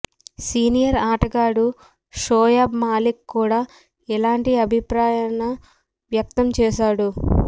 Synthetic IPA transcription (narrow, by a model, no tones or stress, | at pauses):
siːnijɐɾaːʈɐɡaːɽu | ʂoːjaːbmaːlikːuːɽaː | ɛlaːɳʈiɐbʱipɾaːjanɐ | ʋjɐk̚t̪ɐmt͡ʃɛːʃaːɽu